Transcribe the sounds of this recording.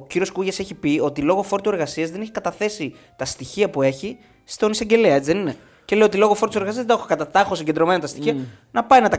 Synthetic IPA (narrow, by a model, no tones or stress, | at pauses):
ociɾio̞skuʝɐseçipio̞t̪ilo̞ɣo̞fo̞ɾt̪ue̞ɾɣɐsiɐzðeneçikɐt̪ɐθe̞si | t̪ɐst̪içiɐpue̞çi | st̪o̞nisɐɲɟe̞leɐe̞t͡siðenine | cele̞joo̞t̪ilo̞ɣofo̞ɾt̪useɣɐsiɐzðeexukɐt̪ɐt̪ɐxosiɲɟe̞nd̪ɾo̞menɐt̪ɐst̪içiɐ | nɐpɐinɐt̪ɐ